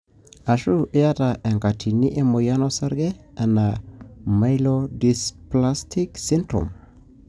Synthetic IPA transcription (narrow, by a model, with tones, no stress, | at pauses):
a˨ʃu˦ja˦ta˨ʔe˨ŋka˨tʰi˨ni˦ʔe˦mo˨ja˦no˦sa˦ɾɡe˦a˨na˨ma˦jlo˦di˨spla˦stʰi˦ksi˦ntɾo̰˨m